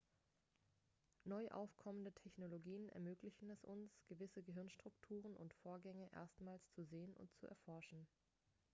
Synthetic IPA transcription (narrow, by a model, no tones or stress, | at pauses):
nɔʏʔa̰ʊfkʰɔməndətʰɛçnoloɡiːənɛ̰ɐmøːklɪçn̩ɛsʔʊnsɡ̥əvɪsəɡəɦɪɐnʃtʁ̥ʊktʰuːʁənʔʊ̰ntfoːɐɡɛŋəʔḛːɐstmaːlst͡suzeːənʊ̰nt̚t͡sṵʔɛ̰ɐfɔɐʃn̩